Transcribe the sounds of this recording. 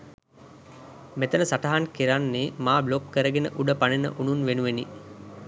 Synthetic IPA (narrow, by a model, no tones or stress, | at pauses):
met̪ənəsaʈaɦankiɾanːeːmaːblokːəɾəɡenə̰ʔuɖəpanenə̰ʔununʋenuʋeni